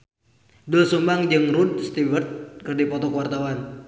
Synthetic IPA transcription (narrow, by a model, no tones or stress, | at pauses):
dulsumbaŋd͡ʒɨŋrud̚st̪ivərt̪̚kɨrdipɔt̪ɔkəwart̪awan